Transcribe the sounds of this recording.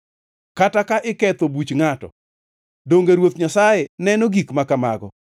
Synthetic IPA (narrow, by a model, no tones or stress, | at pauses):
katakaʔɪkɛt̪obut͡ʃŋatɔ̰ | doŋɡeɾwot̪ɲasajenɛnoɡikmakama̰ɡɔ̰